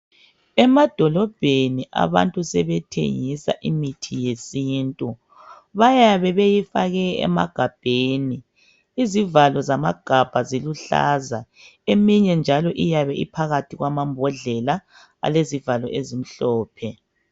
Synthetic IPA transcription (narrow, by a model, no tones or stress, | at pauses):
ɛmad̥ʱɔlɔb̥ʱeniʔa̰βa̰ntʼusɛβɛtʰḛŋisa̰ʔimitʰijesintʼu | βajaβɛβejifaɣɛɛ̰ma̰ɡ̥ʱab̥ʱeːniː | zivalɔzamaɡ̥ʱab̥ʱaziluɬa̰za | emiɲɛnd͡ʒʱalɔʔijaβɛʔipʰaɣatʰiɣwamambʱɔɮɛla | a̰lezivalɔ̰ʔezim̩ɬɔːpʰɛ